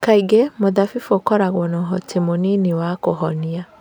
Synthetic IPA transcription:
kaiɡemoðafifuokɔɾaɣwɔnɔɦɔtʰemoniniwakoɦɔnia

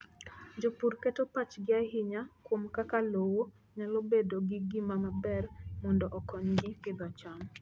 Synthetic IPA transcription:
d͡ʒopurkɛtopat͡ʃɡɪaɦɪɲakwomkakalowo | ɲalobedoɡɪɡɪmamabɛrmɔndɔʔɔkɔɲɡɪpɪd̪at͡ʃaŋ

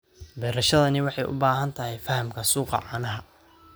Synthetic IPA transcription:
bɛːɾɐʃɐðɐnɪwɑħɑjʔʊ̰baːɦɐnt̪ʰɐhɛjfɐhɐmkʰɐsuːqɑ̰ʕɑːnɐɦɐ

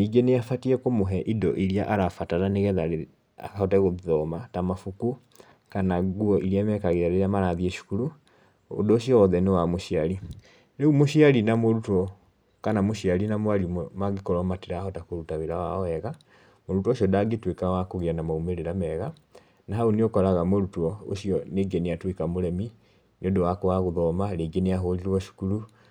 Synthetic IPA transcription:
niɡeneafatiɛkomoɦɛʔidɔʔiɾiaʔaɾafataɾaneɣɛðaɾe | a̰hɔtɛɣoðɔmatamafuku | kanaɡuɔʔiɾiamɛkaɣeɾaɾeɾamaɾaðieʃu̥kuɾu | o̰doʃiɔːðɛnewamoʃiaɾi | ɾeumoʃiaɾinamoɾutɔ | kanamoʃiaɾinamwaɾimaɡekɔɾɔmateɾahɔtakoɾutaβeɾawaɔɛɣa | moɾutwɔoʃiɔdaɡetwekawakoɣeanamaumeɾeɾamɛɣa | naɦaoneokɔɾaɣamoɾutwɔo̰ʃiɔneːɡeneatwekamoɾɛmi | neodowakowaɣoðɔmaɾeɡeneaɦoɾiɾwɔʃu̥kuɾu

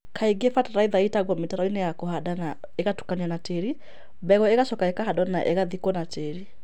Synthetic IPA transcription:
kʰaiɡefataɾaiðaitaɣɔmetaɾɔinejakohadana | eɣatu̥kanianateɾi | bɛɣɔeɣaʃɔkaekaɦadɔnaʔeɣaðikɔnateɾi

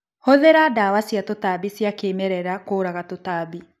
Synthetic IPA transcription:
hoðeɾadaːwasjatotabisjakemɛɾɛɾakoːɾaɣatotaːbi

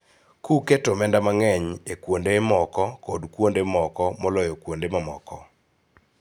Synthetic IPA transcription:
kuketomɛndamaŋɛɲekwondemɔkɔkodkwondemɔkɔmɔlɔjɔkwondemamɔ̰kɔ

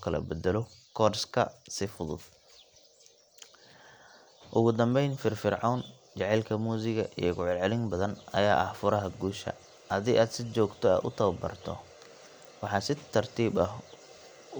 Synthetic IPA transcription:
kʰɐlɐ̰bɛd̪ɛlɔkʰɔːrskʰɐsɪfʊðʊ̰d̪ | ʔʊɣʊd̪ɐmbɛjnfɪrfɪrʕɑːn | t͡ʃɑʕɛlkʰɐmuːs̬ɪɣɐʔḭjɔɡʊʕʊlʕɛlɪŋbɐðɐnɐ̰jaːʔɐhfʊɾɐɦɐɡuːʃɐ̰ | hɐðiːʔaːd̪sɪt͡ʃɔːɡt̪ʰɔa̰ːd̪ʊ̰t̪ʰɐwɐbɐ̰rt̪ʰɔ̰ | wɑħɑːsɪt̪ʰːɐrt̪ʰiːbɐɦ

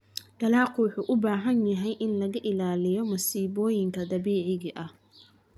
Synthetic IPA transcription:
d̪̥ɐlɑːqʊħʊʔʊbaːɦɐnjɐɦɛjʔɪnlɐɣɐʔɪlaːlɪjɔmɐsiːbɔːjɪŋkʰɐd̪ɐbiːʕɪɣɐʔɐh

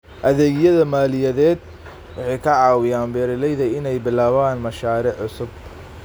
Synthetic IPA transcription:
ʔɐðɛːɣjɐðɐmaːlɪjɐðɛːd̪̚ | wɑħɑjkʰɐʕɑːwɪjaːmbɛːɾɪlɛjðɐɪnɛjbɪlaːβaːnmɐʃaːɾɪʕʊsʊb

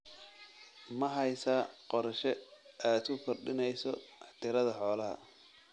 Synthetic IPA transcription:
mɐɦɐjsaːqɔɾʃɛaːd̪ʊkʰɔrɖɪnɛjsɔt̪ʰɪɾɐðɐħɔːlɐɦɐ̰

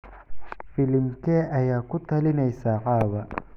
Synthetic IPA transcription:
fɪlɪmkʰɛːʔɐjaːkʊt̪ʰɐlɪnɛjsaːqɑːβɐ

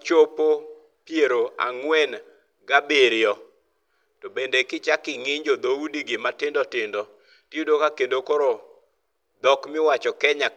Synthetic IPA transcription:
t͡ʃopo | pjeɾoa̰ŋwɛn | ɡabeɾjɔ | tobendekɪt͡ʃakɪŋɪɲd͡ʒod̪oudiɡɪmatɪndɔtɪndɔ | tjedokakendokoɾo | d̪ɔkmɪwat͡ʃɔkɛɲa

